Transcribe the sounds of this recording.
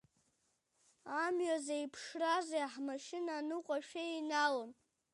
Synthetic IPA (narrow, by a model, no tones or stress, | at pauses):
amɥazaipʰʂrazeaħmaʃɪnanɨqʷʼaʃᶣeinalɨm